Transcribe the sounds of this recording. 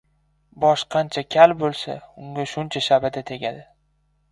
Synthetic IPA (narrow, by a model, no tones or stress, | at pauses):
bɒʃqʰɑnt͡ʃʰakʲʰalbolˠsaʊŋɡʲaʃʊnt͡ʃʰaʃabɪd̪at̪ʰeɡʲad̪ɪ